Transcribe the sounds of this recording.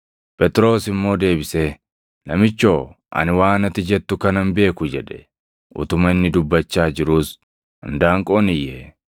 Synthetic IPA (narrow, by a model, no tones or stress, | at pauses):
pʼɛt̪ʼɾo̞ːsɪmːo̞ːd̪e̞ːbɪseː | lɐmɪt͡ʃːo̞ː | ʔɐ̰nɪwaːnɐt̪ɪd͡ʒɛt̪ːʊkɐnɐnbe̞ːkʊd͡ʒɛᶑɛ̥ | ʔʊ̰t̪ʊmɐɪnːɪd̪ʊbːɐt͡ʃːaːd͡ʒɪɾuːs | ɐnd̪aːŋkʼoːnɪjːeː